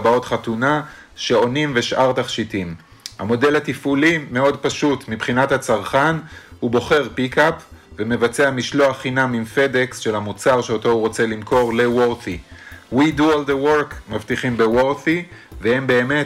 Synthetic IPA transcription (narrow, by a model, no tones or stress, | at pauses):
bao̞t̪χatunaʃe̞o̞nimve̞ʃʔaʁt̪aχʃitim | ha̰mo̞de̞lhat̪ifulime̞o̞dpaʃutmibχinathat͡saʁχanhubo̞χe̞ʁpikapveme̞vat͡seamiʃloaχinamimfe̞deksʃe̞lhamut͡saʁʃeo̞to̞uʁo̞t͡se̞limko̞ʁle̞woʁθiwiduold̪ewoɾkmavtiχimbewoʁθivehembe̞ːme̞